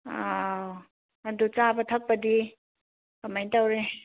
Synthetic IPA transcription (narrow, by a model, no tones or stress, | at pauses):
a | ɐdut͡ʃabɐtʰɐk̚pɐdi | kɐmajntawɾe